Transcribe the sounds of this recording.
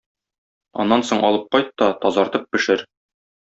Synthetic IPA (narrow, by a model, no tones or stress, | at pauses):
ɒ̰nːɑnsoɴʔɒlˠɤp̚qɒjt̪ːɒt̪ɒzɑɾt̪ɤp̚bɘ̆ʃɘɾ